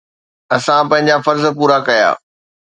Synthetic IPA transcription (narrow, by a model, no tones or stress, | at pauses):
ɐsãpɐ̃ɦɪ̃ɲd͡ʑafɐɾzpuːɾakɐja̰ː